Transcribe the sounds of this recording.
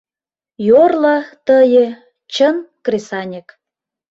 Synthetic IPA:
jorlə̆t̪əjə̆ | t͡ɕənkresɑnʲek

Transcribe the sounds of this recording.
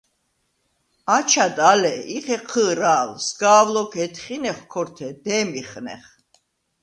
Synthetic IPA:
at͡ʃʰad̪alɛiχɛqʰəːɾaːlsɡaːvlɔkʰɛt̪ʰχinɛχkʰɔɾt̪ʰɛd̪ɛːmiχnɛ̰χ

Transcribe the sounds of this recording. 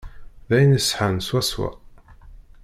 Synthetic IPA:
ðæjnəsːħənswæswæ̰

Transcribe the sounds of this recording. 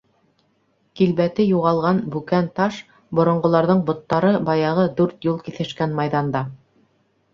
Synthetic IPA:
kilbæt̪ɘjuʁɑlˠʁɑnbʉkænt̪ɑʃ | bŏɾŏɴɢŏlˠɑɾðɤɴbŏt̪ːɑɾɤbɑjɑʁɤd̪ʉɾt̪julˠkiθɘ̆ʃkænmɑjðɑnd̪ɑ

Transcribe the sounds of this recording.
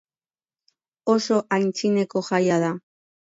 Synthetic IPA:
o̞so̞ʔajnt͡sine̞ko̞ʝajað̞a

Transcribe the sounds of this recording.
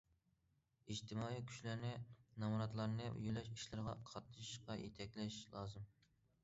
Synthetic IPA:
id͡ʒt̪ʰɪmɑːikʲʰy̥ʃlæɾnɪnɑmuɾɑt̪lˠɑɾnɨṵjulɛʃi̥ʃlˠɨɾʁɑ̰qʰɑt̪̚nɨʃiʃqɑjet̪ʰɛkʲlɛʃlˠɑːzɨm

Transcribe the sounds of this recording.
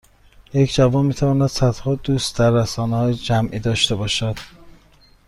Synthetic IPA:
je̞cʰd͡ʒævɒːnmiːt̪ʰævɒːnæd̪̥sæt̪hɒːd̪uːst̪̚d̪æɾːæsɒːnehɒːjed͡ʒæmʔiːd̪ɒːʃt̪e̞bɒːʃæd̪̥

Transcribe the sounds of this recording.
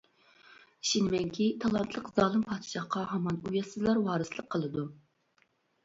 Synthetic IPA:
i̥ʃinmɛŋkʲʰit̪ʰɑlˠɑnt̪ʰlˠəqzɑːlˠɨmpʰɑt̪ʰʃɑχqɑhɑmɑnujɑsɨzlˠɑɾwɑːɾɨslˠəqʰːəlˠɨd̪u

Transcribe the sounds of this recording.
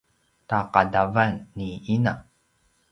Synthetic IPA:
taqadavanːiina

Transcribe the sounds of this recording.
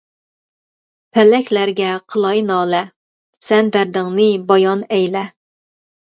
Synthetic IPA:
pʰɛlɛkʲlæɾɡʲɛqʰəlˠɑjnɑːlɛ | sɛnd̪æɾd̪ɪŋnɨbɑjɑnɛjlɛ

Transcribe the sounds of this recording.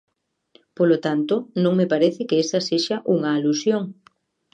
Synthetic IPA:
polot̪ant̪ʊnõŋmepaɾeθɪkɪesɐseʃaʔuŋɐːlusjoŋ

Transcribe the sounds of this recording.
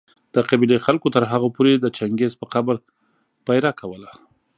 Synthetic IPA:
d̪̥əqabilexalkot̪əɾɦaɣapoɾed̪ət͡ʃaŋɡezpəqabəɾ | pajɾakʰawəla

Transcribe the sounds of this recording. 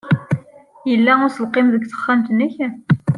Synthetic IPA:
jəlːæʊɾsəlqemðəɡθə̥χːæmt̪əniçæ

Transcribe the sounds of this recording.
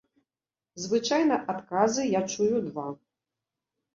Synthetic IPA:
zvɨt͡ʂajnɐʔat̪kazɨjat͡ʂujud̪va

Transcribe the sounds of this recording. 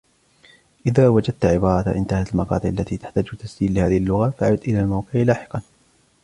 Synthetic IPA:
ʔɪðaːwad͡ʒad̪̚t̪ʕɪbɑːɾˤɑtʔɪ̰nt̪ahat̪almɑqɑ̰ːt̪ˤɨʔalːat̪iːt̪ḁħt̪aːd͡ʒt̪ːasd͡ʒiːllɪhaːðɪhɪlːʊɣafaʕat̪ʔɪlaːlmawqɪʕlaːħɪ̥qɑn

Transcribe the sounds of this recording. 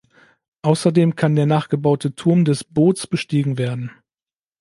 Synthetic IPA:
ʔaʊsɐdeːmkʰandeːɐnaːχɡ̥əbaʊtʰətʰʊɐmdɛsb̥oːt͡sb̥əʃtiːɡŋ̩veːɐdn̩

